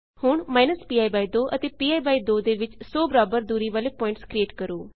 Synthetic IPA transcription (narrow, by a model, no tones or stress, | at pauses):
hʊɳ̃maːɪnəspiːaːibaːid̪oːʔət̪eːpiːaːibaːiːd̪oːd̪eːʋɪt͡ʃsɔːbəɾaːbəɾd̪uːɾiːʋaːleːpɔːɪ̃ɳʈskɾieːʈkəɾoː